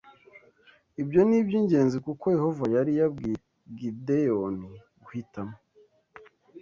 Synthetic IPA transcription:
ibjo̞nibɟiːɲɟe̞ːnzikuko̞je̞ho̞vajaɾija | ɡideoni | ɡuhitamo

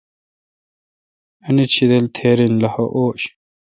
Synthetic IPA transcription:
ɐnit͡ɕʰid̪elt̪ʰeːɾinlɐhoʔoːɕ

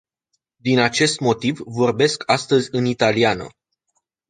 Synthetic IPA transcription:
d̪inat͡ʃe̞st̪mo̞t̪ivːo̞rbe̞skʰast̪əzʲɨnit̪alianə̰

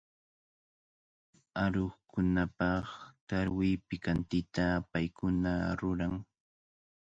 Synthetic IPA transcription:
aɾoχkʊnapɑχt̪aɾwɪpɪkant̪ɪt̪apajkʊnaɾʊɾaŋ

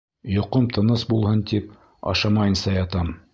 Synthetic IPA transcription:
jŏqɤmt̪ʰɤ̆nɤsbulˠhɤnt̪ip | ɑ̰ʃɑmɑjɤ̆nsɑjɑt̪ɑm

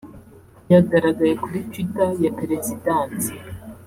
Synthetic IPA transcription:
jaɡaɾaɡajekuɾit͡ʃwitajapeɾe̞zidaːnsi̥

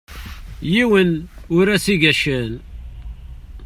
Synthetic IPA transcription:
jiwənʊɾæsiɡæʃəl

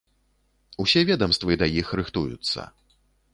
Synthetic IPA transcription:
usʲɛvʲɛd̪ɐmst̪vɨd̪ɐjixɾɨxt̪ujṵt̪sːɐ̰

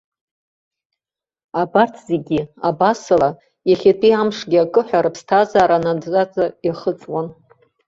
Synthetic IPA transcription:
abartʰzeɡʲiabasɨla | jaχʲatʰʼiamʂɡʲiakʼɨħʷᶣaɾɨpʰstʰazaːɾanadʼat͡sʼajaχət͡sʼwan

